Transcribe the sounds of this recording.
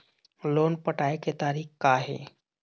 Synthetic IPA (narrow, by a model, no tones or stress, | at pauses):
loːnpəʈaːeket̪aːɾiːxkaːɦḛː